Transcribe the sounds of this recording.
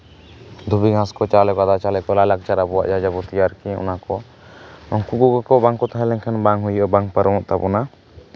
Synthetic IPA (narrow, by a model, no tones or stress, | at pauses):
d̪ʱubiɡʱãskɔt͡ʃalɛkad̪at͡ʃalɛkɔlalak̚t͡ʃaɾabɔwa̰ʔd͡ʒad͡ʒabɔt̪ijaɾkiɔ̰nakɔ | ɔŋkuɡuɡɔkɔbaŋkɔt̪aɦɛ̃lɛŋkʰɛnbaŋɦujɔʔɔbaŋpəɾɔmɔʔt̪abɔna